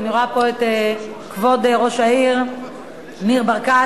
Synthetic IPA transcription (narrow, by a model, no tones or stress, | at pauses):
niʁapoete | kvod̪ʁoʃaiʁ | miʁbaʁka